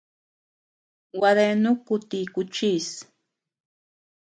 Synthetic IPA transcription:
waɾenʊkʊt̪ikʊt͡ʃis

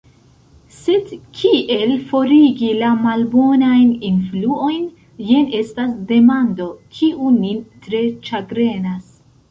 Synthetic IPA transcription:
se̞dkʰiʔe̞lfo̞ɾiɡilamalbo̞najninfluo̞jn | jene̞stasde̞mando̞kʰiʔunitɾe̞t͡ʃaɡɾe̞nas

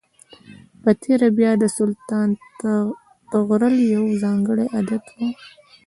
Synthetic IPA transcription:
pət̪ʰeɾabjɑd̪əsʊlt̪ɑnt̪a | t̪əɣɾəljawzɑŋɡəɽeʔad̪at̪kʰaw

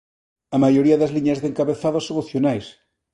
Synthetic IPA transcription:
amajoɾiaðazliɲazðeŋkaβeθaðosoŋoθjonajs

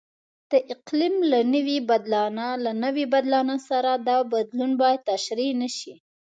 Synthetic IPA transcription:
d̪̥əʔɪqlimlanəwibad̪lɑnalanəwibad̪lɑnasaɾad̪ɑbad̪lunbɑjad̪̚t̪ːaʃɾinəʃi

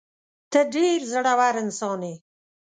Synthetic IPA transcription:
t̪əɖeɾzəɽawaɾɪnsɑːne

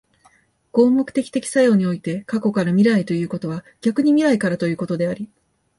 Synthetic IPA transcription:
ɡ̥o̞ːmo̞kɯ̟t̪e̞kʲi̥t̪e̞kʲi̥sajo̞ːɲ̟io̞it̪e̞kako̞kaɾamʲiɾait̪o̞jɯ̟ːko̞t̪o̞β̞a | ɡ̥ʲakɯ̟ɲ̟imʲiɾaikaɾat̪o̞jɯ̟ːko̞t̪o̞d̪e̞aɾʲi

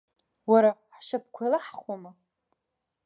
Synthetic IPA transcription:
waɾaħʃap̚ʰkʷʰalaħχwama

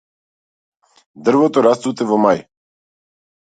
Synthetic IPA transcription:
d̪r̩vɔt̪ɔɾast̪ut̪ɛvɔmaj

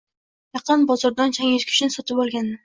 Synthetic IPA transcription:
jɑqɨnbɒzɒɾd̪ant͡ʃʰaŋeʃkʲʰy̥ʃnɪsɒt̪ɪpɒlˠɡʲand̪ɪ

